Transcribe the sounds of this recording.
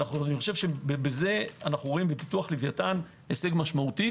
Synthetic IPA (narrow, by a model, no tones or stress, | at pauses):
naχuaniχo̞ʃe̞vʃe̞bebeze̞anaχuʁoimbepituaχlivjatan | eseɡmaʃmauti